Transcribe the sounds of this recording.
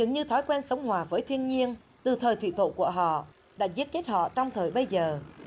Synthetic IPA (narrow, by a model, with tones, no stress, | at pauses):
zɨ̰˧˩ŋɲɨ˧t̪ʰɔ˨˦jkwɛː˧nsə˨˦wŋ͡mɦwaː˨˩vəː˨˦jt̪ʰi˧ənɲi˧ən | t̪ɨ˨˩t̪ʰəː˨˩jt̪ʰwḭ˧˨t̪ʰo̰˧˨ku˧˩əɦɔ̰˧˨ | ɗa̰ː˧˥zi˦˥ət̚t͡ɕe˦˥t̚hɔ̰˧˨t͡ɕɔ˧wŋ͡mt̪ʰəː˨˩jɓə˧jzəː˨˩